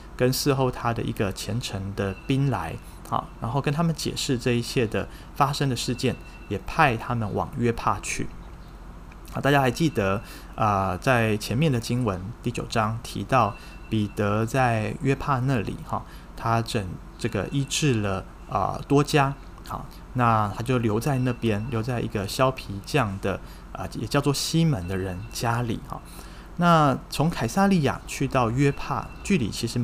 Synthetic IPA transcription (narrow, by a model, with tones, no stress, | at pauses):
kə˦nsɹ̩˥˧xo˥˩ʊt̪ʰa˥d̪ə˨ʔḭ˧˥ɡə˨t͡ɕʰjɛ˧˥nʈ͡ʂʰə˧˥ŋd̪ə˧pi˥nla˧˦ɪ | xɑ̰˨˩ɻa˧˥nxo˥˩ʊkə˥nt̪ʰa˥mə˨nt͡ɕjɛ̰˨˩ʂɻ̩˥˧ʈ͡ʂɤ˥˧i˥˩ɕjɛ˥˩d̪ə˩ | fa˥ʂə˥ŋd̪ə˨ʂɻ̩˥˧t͡ɕjɛ˥˩n | jɛ˨˩pʰa˥˩ɪt̪ʰa˥mə˨nwʔɑ̰˨˩ŋɥɛ˥pʰa˥˧t͡ɕʰy̰˥˩˨ | t̪a˥˩t͡ɕja˥xa˧˥ɪt͡ɕi˥˩d̪ə˩˦ | ə˨t͡sa˥˩ɪt͡ɕʰjɛ˧˥nmjɛ˥˩nd̪ə˩t͡ɕi˥ŋwə˧˦nt̪i˥˩t͡ɕjo˨˩ʊʈ͡ʂɑ˦˥ŋt̪ʰḭ˧˥t̪ɑ˥˩ʊ | pi˨˩t̪ə˧˥t͡sa˥˧ɪɥɛ˥pʰa˥˧na˥˩lḭ˨˩xɑ̰˨˩ | t̪ʰa˥ʈ͡ʂə˨˩ŋ | ʈ͡ʂɤ˥˩ɡə̰˩ʔi˥ʈ͡ʂɻ̩˥˩lə˩ | ə̰˨˩t̪wɔ˥t͡ɕja˥ | xɑ̰˥˩ | na˥˧t̪ʰa˥t͡ɕjo˥˩ʊljo˧˥ʊt͡sa˥˧ɪna˥˩pjɛ˥nljo˧˥ʊt͡sa˥˩ɪʔḭ˧˥ɡə˧ɕjɑ˥ʊpʰi˧˥t͡ɕjɑ˥˩ŋd̪ə˩ | ə̰˨jɛ˨˩t͡ɕjʊt͡swɔ˥˩ɕi˥mə˧˦nd̪ə˧ɻə˧˥nt͡ɕja˥lḭ˨˩˦xɑ̰˨˩˦ | na˥˩t͡sʰʊ˧˥ŋkʰa˨˩ɪsa˥˧li˥˩ja̰˨˩t͡ɕʰy˥˧t̪ɑ˥˩ʊɥɛ˥pʰa̰˥˩t͡ɕy˥˩lḭ˨˩t͡ɕʰi˧˥ʂɻ̩˧˥